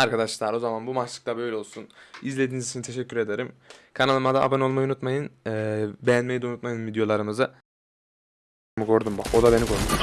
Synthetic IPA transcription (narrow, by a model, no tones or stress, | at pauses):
aɾkad̪aʃlˠaɾo̞zamanbumalˠɯk̚t̪ˠabø̞jlʲɛo̞lˠsunizlʲe̞d̪inizit͡ʃʰinit̪ʰe̞ʃɛcʲːyɾe̞d̪e̞ɾimkʰanalˠɯmad̪aʔa̰bano̞lˠmajunut̪majɯnː | bejænmejid̪eunut̪̚majɯnvid̪jo̞lˠaɾɯmɯzɯ | mɯkʰo̞ɾd̪umbakod̪abe̞nikʰo̞ɾd̪um